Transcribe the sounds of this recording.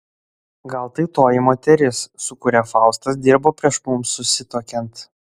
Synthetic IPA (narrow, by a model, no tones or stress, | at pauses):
ɡɐlˠt̪ɐɪt̪oːjɪmoːt̪ʲɛɾʲɪsːʊkʊɾʲɛfɑˑʊst̪ɐsd̪ʲɪɾboːpʲɾʲiɛʃmʊmsʊsʲɪt̪oːkʲɛnt̪